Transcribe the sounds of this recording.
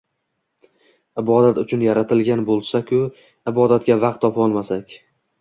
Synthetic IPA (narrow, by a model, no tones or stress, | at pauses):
ɪbɒd̪at̪ʊt͡ʃʰʊnjaɾat̪ʰɪlɡʲanbolˠsakʲʰʊ | ɪbɒd̪at̪̚ɡʲavɑqt̪ʰːɒpʰɒlˠmasakʲ